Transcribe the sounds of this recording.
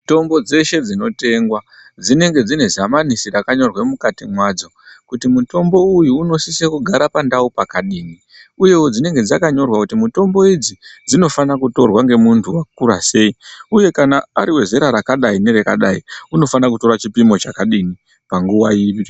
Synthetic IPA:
to̞mbo̞d͡ze̞ʃe̞d͡zino̞te̞ŋɡwa | d͡zine̞ŋɡe̞d͡zine̞zamanisiɾakaɲo̞rwemukatimwaːd͡zo̞kutimuto̞mbo̞ujuːno̞sisekuɡʱaɾapandaupakaɗiːni | uje̞wod͡zine̞ŋɡe̞d͡zakaɲo̞rwakutimuto̞mbo̞id͡zid͡zino̞fanakuto̞rwaŋɡe̞muntʰuwakurase̞iuje̞kanaːɾiwe̞ze̞ɾaɾakaɗaine̞ɾekaɗaiuno̞fanakuto̞ɾat͡ʃipimo̞t͡ʃakaɗini | paŋɡuwaii

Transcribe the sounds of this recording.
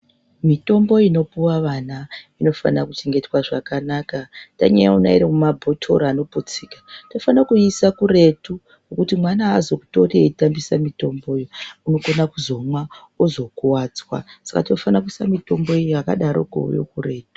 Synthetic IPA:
mito̞mbo̞ino̞puwaʋanaino̞fa̰nakut͡ʃeŋɡe̞twaʐakanakataɲa̰ja̰una̰iɾiumabʱo̞tʰo̞̰ɾaːno̞pot͡siːkḁto̞fanakuisakure̞tu | ɡokutimwanaːzo̞ku̥to̞rieitambisamito̞mbo̞ːjouno̞konakuzo̞mwa | ozo̞kuwaːt͡swa̰sḁkatinofanakuisamito̞mbo̞iaka̰ɗaɾo̞̰ɡo̰o̰jo̰kure̞ːtu̥

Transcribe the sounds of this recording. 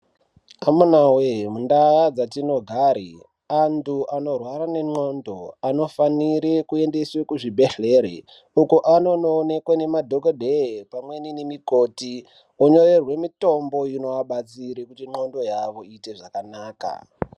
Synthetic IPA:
amunawemundaad͡zatino̞ɡʱaːɾḭ | antʰuʔano̞rwaɾane̞ŋ͡ǃo̞ndo̞ano̞faniɾekue̞nde̞swekuʐibʱe̞ɬe̞ɾḛ | ukuʔano̞noːne̞kwane̞madʱokodʱepamwe̞ninemikoti | oɲo̞re̞rwe̞mito̞mbo̞ino̞aɓat͡siɾekutiŋ͡ǃo̞ndo̞jaʋo̞ite̞ʐakanaːka̰

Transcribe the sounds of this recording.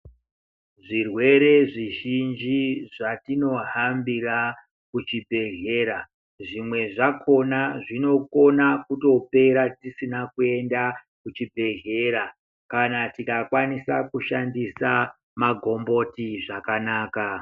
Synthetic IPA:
ʐirwe̞ɾe̞ʐiʒind͡ʒiʐatino̞ɦambira | kut͡ʃibʱe̞ɦe̞ːɾa | ʐimwe̞ʐakʰo̞naʐino̞ko̞nakuto̞pe̞ɾatisinakue̞nda | kut͡ʃibʱe̞ɦe̞ɾa | kanatikakwanisakuʃandisa | maɡʱo̞mbo̞tiʐakanaːka

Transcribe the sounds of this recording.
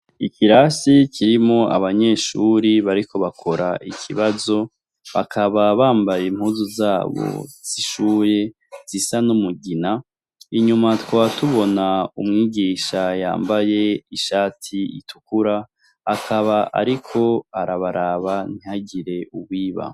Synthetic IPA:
ikʰiɾasicʰiɾimo̞ʔa̰βaɲe̞ːʃuɾiβaɾikʰo̞βakʰo̞ɾaʔikʰiβazo̞ | βa̰kʰaβaβaːmbajem̥huːzuzaːβo̰z̥iʃuːje̞ | z̥isanumuɡina | iɲumatkwatuβo̞naumŋiːɡiːʃaja̰ːmbaje̞iʃaːtʰiḭtʰukuɾaː | kʰaβaʔa̰ɾikʰo̞aɾaβaɾaβan̥ihaɟiɾe̞ʔuβwiːβa̰

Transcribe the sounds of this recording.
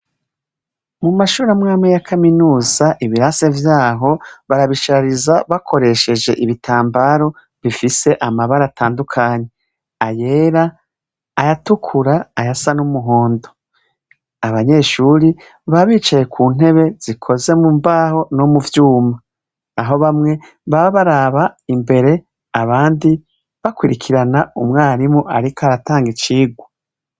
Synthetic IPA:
mumaʃuːɾamŋaːmejakʰaminuːzaʔiβiɾase̞vjaːɦo̞βaɾaβiʃaɾizaβakʰo̞ɾe̞ʃe̞d͡ʒe̞ʔiβitʰaːmbaːɾo̞ | βifise̞ʔamaβaɾatʰaːndukʰaːɲe̞ | aje̞ɾaː | jatukʰuɾaːjasanumuɦo̞ːndo̞ | aβaɲe̞ʃuɾi | βaβiːt͡ʃaje̞kʰuːn̥e̞βe̞z̥ikʰo̞ze̞mumbaːho̞nomuvjuːmaː | ɦo̞βamŋe̞ | βaβaɾaβaimbe̞ɾe̞ | aβaːndi | βakwiɾikʰiɾanaumŋaːɾimoʔaɾikoaɾataːŋɡit͡ʃiːɡwa

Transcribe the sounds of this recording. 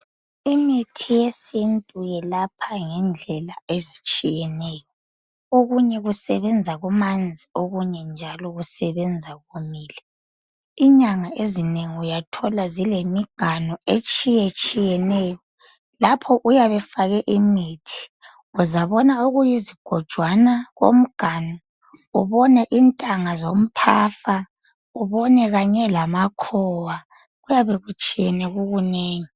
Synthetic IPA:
imitʰijesintʼujɛlapʰaŋɛnd͡ɮʱɛlaezit͡ʃʼijɛnɛːjɔ | oɣuɲɛɣusɛβɛnd͡zʱaɣumand͡zʱioɣuɲɛnd͡ʒʱalɔɣusɛβɛnd͡zʱaɣumiːlɛ | iɲaŋaʔezineŋiujatʰɔlazilemiɡ̥ʱanɔet͡ʃʼijet͡ʃʼijɛnɛːjɔ | lapʰɔʔujaβɛfaɣɛʔimitʰi̥ | uzaβɔnauɣujiziɡ̥ʱɔd̥ʒ̥ʱwanaɣo̰m̩ɡ̥ʱanɔ | uβɔnɛʔintʼaŋazom̩pʰaːfa | uβɔnɛɣaɲɛlamakʰɔwa | ɣujaβeɣut͡ʃʼijɛnɛɣuɣuneːɲi

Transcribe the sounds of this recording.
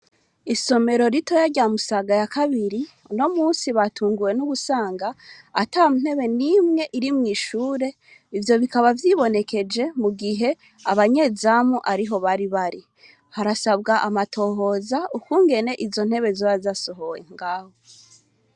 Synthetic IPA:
iso̞me̞ɾo̞ɾitʰo̞jaɟamusaɡajakaβiɾi | no̞muːnsiβatʰuːŋɡuje̞nuɡusaːŋɡaːtamun̥e̞βe̞nimŋe̞ʔiɾimŋiːʃuːɾe̞ | ivjo̞βikaβavjiβo̞ne̞ke̞d͡ʒe̞muɡiɦe̞ | aβaɲe̞ːzamuʔaɾiɦo̞βaɾiβaɾi | haɾasaβɡaʔamatʰo̞ːɦo̞ːzaukuːŋɡe̞ne̞ʔizo̞n̥he̞βe̞zoβazaso̞ɦo̞jḛŋɡaːho

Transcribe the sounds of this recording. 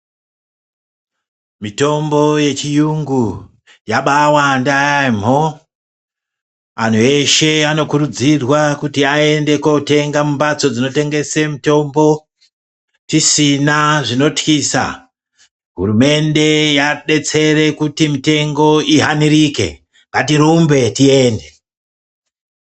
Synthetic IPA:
mito̞mbo̞je̞t͡ʃijuŋɡu | jaɓawandajam̤o | an̤ue̞ʃe̞ano̞kuɾud͡zirwakutiae̞nde̞ko̞te̞ŋɡamumbat͡so̞d͡zino̞te̞ŋɡe̞semito̞mbo̞ | tisinaʐino̞tkiːsa̰ | ɦṵrume̞nde̞jaɗe̞t͡se̞ɾe̞kutimite̞ŋɡo̞iɦaniɾike̞̰ | ŋɡatiɾumbe̞tie̞ːnde̞

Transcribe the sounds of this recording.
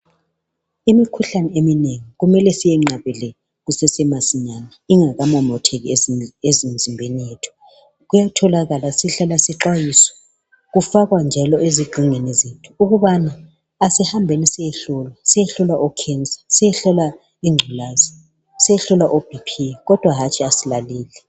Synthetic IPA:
imikʰuɬanɛemineŋiɣumɛlɛsijɛŋ͡ǀaβɛlɛ | ɣusɛsɛmasiɲanaiŋaɣamɔmɔtʰɛɣiezim̩zimbʱenijetʰɔ̥ | ɣujatʰɔlaɣalasiɬalasɛǁajisɔ̥ | ɣufaɣwand͡ʒʱalɔʔeziɡ͡ǀʱiŋwɛnɛzetʰu̥uɣuβanaː | sihambʱenisɛjɛɬɔlasijɛɬɔlaʔɔkʰɛnt͡sʼḁsijɛɬɔla | iŋ͡ǀʱulaːzi | sɛjɛɬɔlaʔob̥ʱipʰiɛɣɔd̥ʱwaɦat͡ʃʰʼiasilaliːlɛ

